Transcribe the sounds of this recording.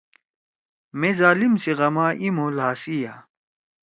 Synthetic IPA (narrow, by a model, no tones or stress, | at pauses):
mezaːlimsiʁɐmaːʔimoːlaːsija